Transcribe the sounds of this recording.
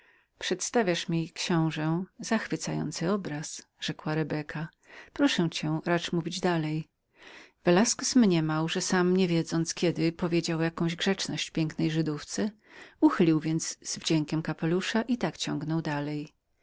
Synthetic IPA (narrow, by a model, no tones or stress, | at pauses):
pʂɛt̪st̪avʲjaʂmʲikɕɔ̃w̃ʐɛzaxfɘt̪sajɔ̰nt̪sɘɔbɾas | ʐ̥ɛkwaɾɛbɛkʰa | pɾɔʂɛw̃t͡ɕɛ̃ɾat͡ʂmuvʲid͡ʑd̪alɛj | vɛlaskusmɲɛmawʐɛsamɲɛvʲjɛd̪zɔnt̪skʲjɛd̪ɪpɔvʲjed͡ʑawjakɔ̃w̃ʑɡʐɛt͡ʂnɔɕt͡ɕpʲjɛŋknɛjʐɘd̪uft̪sɛ | uxɘlʲiwvʲjɛnd̪zz̥vd͡ʑɛŋkʲɛmkapɛluʂaʔit̪akt͡ɕɔ̃ŋɡnɔwd̪alɛj